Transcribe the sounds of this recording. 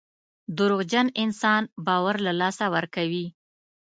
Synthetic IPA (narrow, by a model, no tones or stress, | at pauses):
d̪ʊɾʊɣd͡ʒanɪnsɑnbɑwaɾlalɑsawəɾkawi